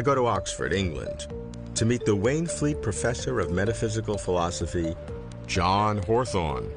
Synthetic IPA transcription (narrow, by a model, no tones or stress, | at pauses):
ɪɡoʊɾəɑksfə̰˞ɾɪ̃ŋɡlə̰̃n | tʰɨmit̪̚ðəwẽɪ̃nflit̚pʰɹ̥ɨfɛsə˞ʌvmɛɾɨfɪzɨkl̩ˠfəlɑsəfi̥ | d͡ʒɑ̃nɦɔɹθɔ̰̃n